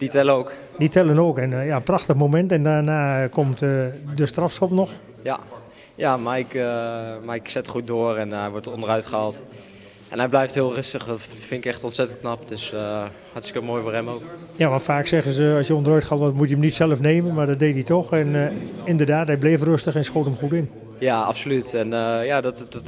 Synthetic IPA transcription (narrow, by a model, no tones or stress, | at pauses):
d̥itɛlənowk | ditʰɛlˠənoːkɛnjaənpraxtəxmomɛntɛndaːnaːkʰɔmtədəstrafsɔpnɔx | ja | jamaɪkmaɪksɛtχut̚doːərɛnɛjʋɔɹtɔndərœɥtχəalˠt | ʔɛ̰nhɛjblɛjfthɪːlˠrɪstəxdtfɪnɪkɛxtɔntsɛtənt̚knapd̥øs | hatstəkəmoːjfoːɹɦɛmowkjaʋɑntfaːksɛɣəzəɑlsjəɔndərœɥtχaːlˠtɔtmutjəəmnitsɛlˠəfneːmənmadɔt̚dejtitɔxɛnɪndərdaːtɛjbleəfrøstəxɛnsxotəmxutɪn | jaa̰psolytɛnjadɔtdt